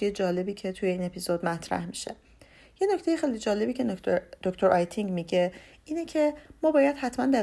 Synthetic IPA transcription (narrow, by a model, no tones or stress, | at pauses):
ejed͡ʒɒːle̞biːcʰe̞t̪ʰujeiːne̞pʰizod̪mæt̪ʰɾæ̰hmiʃe̞̰ | je̞no̞cʰt̪e̞jexe̞jlid͡ʒɒːle̞biːcʰe̞d̪̥oct̪ʰoɾʔɒjt̪ʰiŋɟmiɟe̞ʔiːnecʰe̞mɒːbɒːjæd̪̥hæt̪ʰmænd̪æ